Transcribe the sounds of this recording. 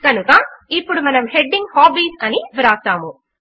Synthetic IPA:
kɐnukɐipːuɽumɐnɐmhe̞ɖːiŋɡhaːbiːsɐniʋiɾaːsaːmu

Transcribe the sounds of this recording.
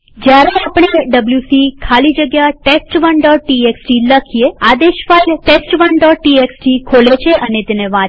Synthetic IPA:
d͡ʒjaɾeapɳeɖəbljusikʰalid͡ʒəɡjaʈesʈʋəɳɖɔʈʈieksʈiləkʰijead̪eʃfailʈesʈʋəɳɖɔʈːieksʈikʰolet͡ʃʰeʔənet̪eneʋã

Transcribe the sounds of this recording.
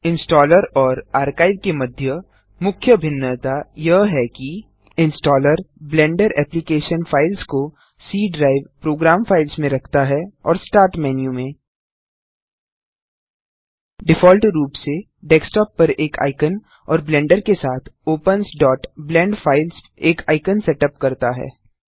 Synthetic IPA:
ɪ̃nsʈɔːləɾɔːɾaːɾkaːɪd̪̚kemɐd̪ʱjə | mʊkʰjəbʱɪnːət̪ajɐɦɦɛki | ɪ̃nsʈɔːləɾblɛ̃ːɳɖəɾɛ̰ːplikeːʃənfʰaːɪlsko | siːɖɾaːɪʋpɾoːɡɾaːmfʰaːɪlsmẽɾɐkʰt̪aɦɛɔ̰ːɾsʈaːɾʈmɛːnjumẽː | ɖɪfɔːlʈɾuːpse | ɖɛːksʈɔːpːɐɾeːkʰa̰ːɪkən | ɔ̰ːɾblɛ̃ːɳɖəɾkesaːt̪ʰoːpənsɖɔːʈblɛ̃ːɳɖfaːɪls | eːkʰa̰ːɪkənsɛːʈəp̚kɐɾt̪aɦɛ̰ː

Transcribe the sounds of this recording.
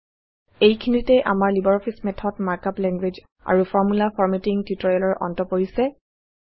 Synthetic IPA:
ejkʰinitɛʔa̰maɹlibɔɹɔpʰismɛtʰɔtmaɹkaplɛŋɡwed͡ʒ | a̰ɹufʰɔɹmulafʰɔɹmɛtiŋtjutɔjɔlɔɹʔɔ̰ntɔpoɹisɛ

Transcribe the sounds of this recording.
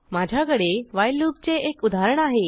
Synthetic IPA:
mad͡ʑʱjakəɽeʋajluːp̚t͡seekud̪ʱaɾəɳaɦe

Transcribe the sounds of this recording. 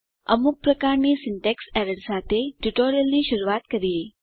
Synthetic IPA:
əmuk̚pɾəkaɾnisɪɳʈeksɛɾəɽsat̪ʰeʈuʈoɾijəlniʃəɾuat̪kəɾie

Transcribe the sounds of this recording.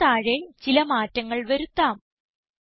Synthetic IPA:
aːɻet͡ɕilɐmaːtːɐŋːɐɭʋɐɾut̪ːaːm

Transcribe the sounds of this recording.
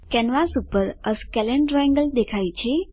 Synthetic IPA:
kɛnʋasupəɾəskɛleɳʈɾaɛ̃ŋɡəld̪ekʰajt͡ʃʰe

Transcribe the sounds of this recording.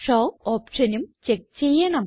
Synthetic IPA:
ʂoːoːpʂɐnumt͡ɕek̚t͡ɕejːɐɳɐm

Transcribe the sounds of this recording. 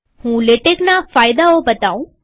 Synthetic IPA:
hũːleʈeknafajd̪aobət̪aũ

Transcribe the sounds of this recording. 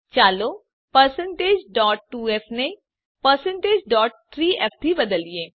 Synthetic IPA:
t͡ʃaːloː | pəɾsə̃ɳʈeːd͡ʒɖɔːʈːuːɛːpʰneĩ | pəɾsəɳʈeːd͡ʒɖɔːʈ̚ːʰ | ɾiːɛːpʰt̪iːbəd̪əlieː

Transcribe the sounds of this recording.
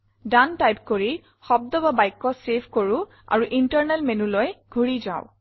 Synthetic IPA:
dantajpkoɹi | xɔb̚d̪ɔbabajkːɔsebʱkoɹʊ̃ | a̰ɹuʔintəɹnɛlmenulɔjɡʱuɹiza̰ʊ

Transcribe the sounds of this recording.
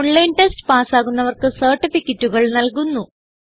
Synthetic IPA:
ɳlɐjnʈestɨ̥paːsaːɣunːɐʋɐrkɨsɐrʈːifikʲːɐtːuɣɐɭnɐlkunːu

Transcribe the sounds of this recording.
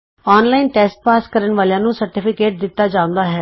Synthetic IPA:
ɔːnlaːɪnʈɛːsʈ̚paːskəɾəɳʋaːljãːnũːsəɾʈɪpʰɪkeːʈ̚d̪ɪt̪ːaːd͡ʒãːʊ̃nd̪aːɦɛː

